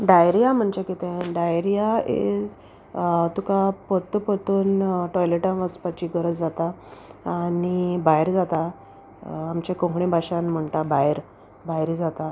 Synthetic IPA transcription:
ɖajɾijam̤əɳt͡ɕakit̪ẽɖajɾijaḛd͡z | t̪ukapət̪ːəpət̪uːnʈɔjleʈãnʋəspat͡ɕiːɡəɾəd͡zd͡zat̪aː | nibajɾd͡zat̪aː | mt͡ɕekõŋkɳẽbʱaɕanm̤əɳt̪abajɾ | bajɾid͡zat̪a

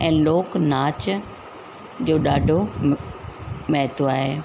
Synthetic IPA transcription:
ɛ̃ːloːknaːt͡ɕ | d͡ʑoːɗaːɖʱo | mɛɦt̪oaːɦeː

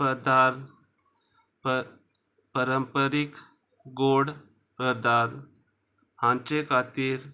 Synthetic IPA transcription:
pəd̪ʱaɾ | pəɾəmpəɾik | ɡoɽ | pɾəd̪ʱaɾ | hãnt͡ɕekʰat̪iːɾ

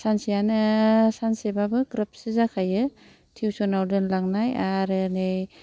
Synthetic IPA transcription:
sansijanɯsansebabɯkɾap̚sizakʰajɯ | tʰiwsɔnawdɯnlaŋnajaɾɯnej

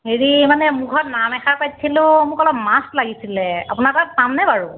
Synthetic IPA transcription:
ɦeɹimanɛmuɡʰʱɔtnamɛxapajtsʰilʊ̃mʊkɔlɔp̚mastlaɡisilɛapunataksamnɛbaɹu

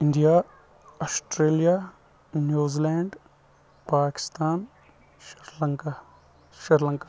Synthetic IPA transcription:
ɪ̃ɳɖija | ɔsʈɾeːlijaː | njuːzilɛːɳɖ | paːkɪ̥st̪aːn | ʃɪɾləŋka | ʃɐɾlə̃ŋkḁ

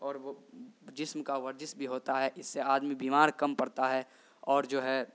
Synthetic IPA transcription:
ɔːɾʋod͡ʒɪsmkaʋɐɾd͡ʒɪsbʱiɦoːt̪aɦɛʔɪsːeaːd̪mibiːmaːɾkɐmpɐɽt̪aɦɛ | ɔːɾd͡ʒoːɦɛ

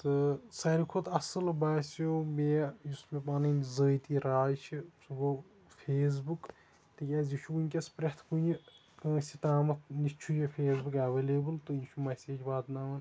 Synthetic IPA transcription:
t̪ɨsɐɾikʰut̪ɐsɐlbɐːsjoːmeːjusmepaːnɨnizəːjt̪iːɾaːjt͡ʃʰisuɡo | fʰeːs̬buk | t̪ɨkʲaːziʃʰuunʲkʲɐspɾet̪ʰpujikɐ̃ːsʲit̪aːmɐt̪nit͡ʃʰujepʰeːsbukɐʋeːleːbɨlt̪ɨjiʃʰumɐsʲeːd͡ʒbaːt̪naːʋɐn

